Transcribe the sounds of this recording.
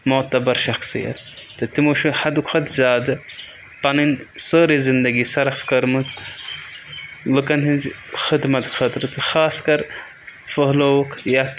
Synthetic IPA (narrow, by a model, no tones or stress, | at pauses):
mot̪ɐbɐɾʃɐxsɨ̰jɐ̰t̪ | t̪ɨt̪imoʃuħad̪ukʷʰχɐt̪zʲaːd̪ɨ | pɐnɨnsɨːɾizɨnd̪ɐɡisɐɾɐfkɐɾmɨt͡sʼ | lɨkɐnizxɨd̪mɐt̪kʰɐt̪ɾɨt̪ɨxaːskɐɾ | fəɦlowkʰjat̪